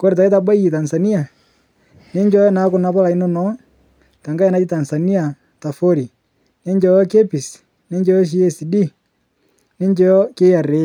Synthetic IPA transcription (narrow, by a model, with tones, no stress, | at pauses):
ko˦ɾe˨ta˨i˦ta˨ba˦i˦i˨ta˨nsa˨ni˦a˨ | ne˦ɲd͡ʒɔ˦jɔ˦na˨˦ku˨na˨˦pa˦la˨i˦nɔ˦nɔ˦ | ta˨ŋɡa˦ja˦na˦t͡ʃi˦ta˨nsa˨ni˦a˨ | ta˨fo˦ɾi˨ | ne˦ɲd͡ʒɔ˦jɔ˦ke˦pi˨s | ne˦ɲd͡ʒɔ˦jɔ˦ʃ̬i˦ɛ˦si˨di˦ | ne˦nd͡ʒɔ˦ɔ˦ke˦a˨ɾe˨˦˨